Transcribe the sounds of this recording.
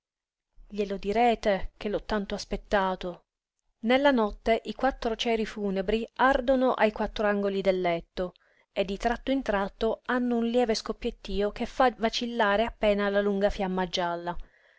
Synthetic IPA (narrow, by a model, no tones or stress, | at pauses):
ʎelod̪iɾɛːt̪ek̟elɔt̪ːant̪oaspet̪ːaːt̪o | nelːanɔt̪ːeʔikwat̪ːɾot͡ʃɛːɾifuːnebɾiard̪onoʔajkwat̪ːɾoaŋɡolid̪elːɛt̪ːo | ed̪ːit̪ɾat̪ːoint̪ɾat̪ːoanːounljɛːveskopːjet̪ːiːok̟efːavat͡ʃilːaːɾeapːɛːnalaluŋɡafjamːad͡ʒːalːa